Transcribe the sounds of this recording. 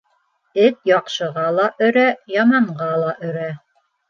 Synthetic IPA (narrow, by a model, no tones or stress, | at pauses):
ɘt̪̚jɑqʃɤ̆ʁɑlˠɑʔɵ̆ɾæjɑmɑɴɢɑlˠɑʔɵ̆ɾæ